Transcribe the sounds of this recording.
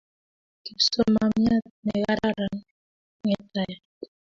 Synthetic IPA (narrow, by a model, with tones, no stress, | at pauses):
ki˨pso˦ma˨mja˦t̚nɛ˨ɣa˦ɾa˦ɾa˨ŋ | ŋɛ˨ta˨ja˨